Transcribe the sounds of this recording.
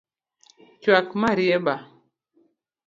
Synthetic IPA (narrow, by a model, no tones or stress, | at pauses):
t͡ʃwakmaɾjɛɓa